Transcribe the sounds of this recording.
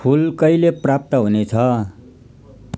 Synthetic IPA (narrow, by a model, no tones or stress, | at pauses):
pʰulkʌileprap̚t̪ʌɦunet͡sʰʌ